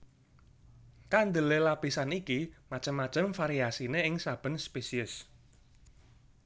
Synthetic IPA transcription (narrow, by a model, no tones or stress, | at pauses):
kand̪əlelapisanikimat͡ʃəmːat͡ʃəmfaɾiasineɪŋsab̥ə̤nspesiʊs